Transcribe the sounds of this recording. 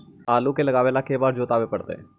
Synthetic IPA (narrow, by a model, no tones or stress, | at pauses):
aːluːkeːləɡaːʋeːlaːkeːbaːɾd͡ʒoːt̪aːʋeːpəɽt̪ḛː